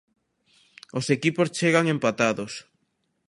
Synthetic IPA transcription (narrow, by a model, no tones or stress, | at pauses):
osekipost͡ʃeɣaŋempat̪aðos